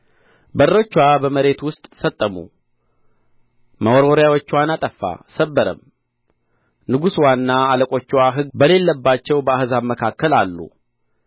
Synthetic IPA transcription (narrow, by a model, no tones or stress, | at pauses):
bərːət͡ʃːwabəməɾe̞t̪wʊst̪ʼsət̪ʼːəmṵ | məwoɾoɾjawot͡ʃːwanat̪ʼəfːa̰səbːəɾə̰m | nɨɡuswanːaaləkʼo̞t͡ʃːwaɦɨɡbəle̞lːəbːat͡ʃːɛwbəahzaməkʰakːəlalːṵ